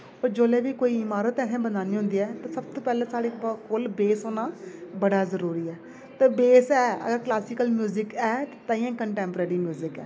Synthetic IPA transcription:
oːɾd͡ʒoːleːʋiːkoːiːɪmaːɾət̪ɛːsɛ̃ːbənaːniːɦʊ̃nd̪iːɛːt̪ãːsəbt̪oːpɛːlɛ̃ːsaːɽeːkolbeːsoːnaːbəɽaːzəɾuːɾiːɛː | t̪ẽːbeːsɛːə̰ɡəɾklaːsiːkəlmjuːzɪkɛːt̪t̪ãːĩːɛ̃ːkəɳʈɛ̃ːmpəɾeːɾiːmjuːzɪkɛ̰ː

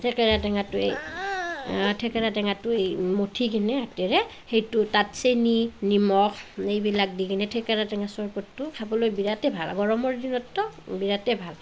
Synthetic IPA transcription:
tʰɛkɛɹatɛŋatʊḛj | tʰɛkɛɹatɛŋatʊejmotʰikinɛatɛɹɛ | xejtʊtatseninimɔkʰejbilak̚dikinɛtʰɛkaɹatɛŋasɔɹkɔtːʊkʰabɔlojbiɹatɛbʱala̰ɡɔɹɔmɔɹdinɔtːɔbiɹatɛbʱal

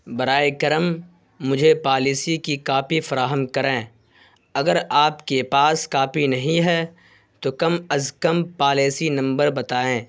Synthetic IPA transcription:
bɐɾaːekɐɾəmː | ʊd͡ʒʱepaːliːsikikaːpifɐɾaːɦəmkɐɾẽː | ɐɡəɾaːpkepaːskaːpinɐɦĩɦɛː | t̪okɐmɐzkəmpaːleːsinɐ̃mbəɾbɐt̪aːẽː

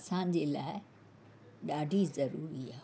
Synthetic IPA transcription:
ɐsãːɲ̆d͡ʑeːlaːɪ | ɗaːɖʱizɐɾuːɾiaː

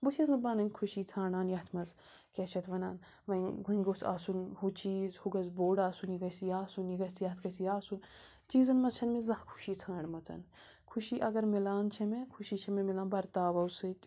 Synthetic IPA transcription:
but̪ʰʲɐznɨbaːnɐnʲkʰuʃiːt͡sʰãːɽaːnjɐɦt̪ʰmɐzkʲɐt͡ʃʰɐt̪ʋɐnaːn | ʋɐɡuiŋɡot͡sa̰ːsunhut͡ʃiːzhuɡɐzboːɖaːsuniɡɐsjaːsunjiɡɐsjɐt̪ʰkɐsjaːsun | t͡ʃiːzɐnmɐzt͡ʃʰɐnmezɐ̃hkʰu̥ʃiːt͡sʰãːɳmɐt͡sɐ̰n | kʰuʃiːʔɐɡɐɾmilaːnt͡ʃʰɐmekʰuʃit͡ʃʰɐmemilaːnbɐɾt̪aːʋɐwsɨt̪ʲ

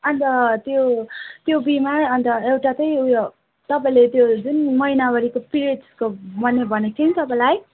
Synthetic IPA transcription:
ʌnt̪ʌt̪jot̪jobimaɾʌnt̪ʌewʈat̪ʌjuj | t̪ʌpaĩlet̪jod͡zunmʌinabʌɾikopiɾekomʌnːebʱʌnet͡sʰʌnit̪ʌpãj̃laj

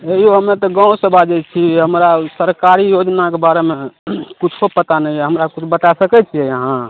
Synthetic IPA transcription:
eioɦəmet̪ɔɡãũsəbʱad͡ʒɛt͡ʃʰiɦəmɾasəɾkaɾijod͡ʒnakebaɾemekut͡ʃʰopət̪anəiɛɦəmɾakut͡ʃʰbət̪asəkɛt͡ʃʰiɛjəɦã

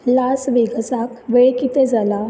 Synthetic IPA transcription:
lasʋeɡəsakʋeɭkit̪ed͡zala

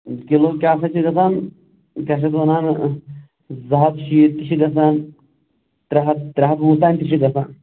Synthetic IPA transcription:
kiloːkʲaːsɐt͡ʃʰiɡɐsaːn | kʲaːʃ̬ɐt̪ʋɐnaːn | zɐɦɐt̪ʃit̪iʃiɡɐsaːn | t̪ɾɐɦɐt̪ɾɐɦɐt̪mut̪aːnʲt̪iʃiɡɐsaːn

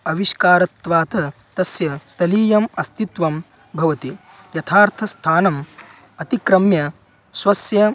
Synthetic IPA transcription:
ɐʋiʃkaːɾɐt̪ʋaːt̪ɐ | t̪ɐsjɐst̪ʰɐliːjɐmɐst̪it̪ʋɐm | bʱɐʋɐt̪i | jɐt̪ʰaːɾt̪ʰɐst̪ʰaːnɐm | ɐt̪ikɾɐmjɐ | swɐsjɐ

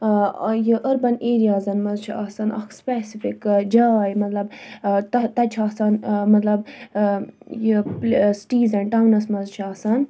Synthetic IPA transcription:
jɨʔəɾbɐneːɾijaːzɐnmɐzt͡ʃʰiɐsɐnɐ̰kʰspeːsifʰikd͡ʒaːjmɐt̪lɐbt̪ɐt̪ɐt͡ʃʰiaːsɐnmɐt̪lɐb | jəpsʈiːzɐɳʈawnɐsmɐzt͡ʃʰiaːsɐn

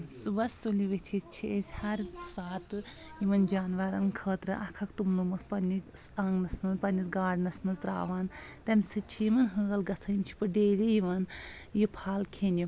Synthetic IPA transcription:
subɐsuliʋit̪ʰist͡ʃʰiesʲhɐɾsaːt̪ɨ | jiʋɐnd͡ʒaːnʋɐɾɐnkʰəːt̪ɾɨʔɐkʰɐkt̪umnumɐkpɐniksɐŋɡnɐsmɐnzpɐnʲisɡaːɖnɐsmɐnzɾa̰ːʋaːnt̪ɐmʲsɨt͡ʃʰijimɐnɦɨːɡɐlɡɐt͡sʰɐnimt͡ʃʰi̥pɐɖeːlijiʋɐn | jipʰaːlkʰenʲi

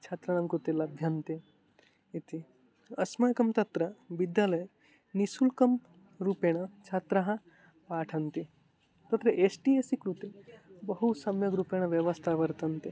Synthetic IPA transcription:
t͡ʃʰat̪ɾɐɳ̃ɐmkɾut̪elɐbʱjɐnt̪e | it̪i | ɐsmɐjkɐmt̪ɐt̪ɾɐbid̪jaːlɐj | nisulkɐm | ɾupeɽ̃ɐt͡ʃʰat̪ɾɐɦɐ̃ | paːʈʰɐnt̪i | t̪ɐt̪ɾɐʔeːsʈiesikɾut̪ebɐɦusɐmjɐɡɾupeɽ̃ɐʋjɐʋɐst̪ʰaːʋɐɾt̪ɐnt̪i

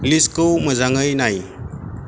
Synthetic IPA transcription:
liskowməzaŋɯjnaj

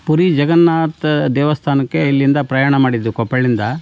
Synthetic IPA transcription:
puɾid͡ʒɐɡɐnːaːt̪d̪ɛːʋɐst̪ʰaːnɐkːe̞ilːind̪ɐpɾɐjaːɳɐmaːɽid̪ːukɔpːɐɭind̪ɐ

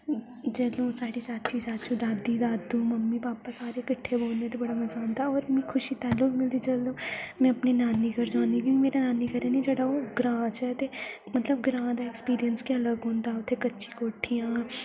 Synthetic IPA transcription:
d͡ʒəːlõːsaːɽiːsaːt̪t͡ʃiːsaːt̪t͡ʃʰũːd̪aːd̪iːd̪aːd̪ũːməmːiːpaːpaːsaːɾekəʈʰːeboːlnet̪ebɐɽaːməzaːnd̪aɔːɾmɛ̃ːkʰʊʃit̪aːlːʊkmɪld̪id͡ʒəːlõːmɛ̃əpninaːnikəɾd͡ʒãːnd̪ikjõkimeːɾanaːniːkəɾãːnid͡ʒeːɽaːoːɡɾãːt͡ʃɛːt̪eː | mət̪ləbɡɾãːd̪aːɪkspiːɾijənskeɐləɡɦõːnd̪aːʊt̪ʰːekətːʃi̥koːʈʰːijãː

